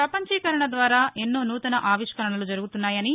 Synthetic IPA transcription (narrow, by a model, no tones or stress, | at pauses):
pɾɐpɐɲt͡ʃikɐɾɐɳɐd̪ʋaːɾaːʔenːoːnuːt̪ɐnɐʔaːʋiʂkɐɾɐɳɐlud͡ʒɐɾuɡut̪unːaːjɐni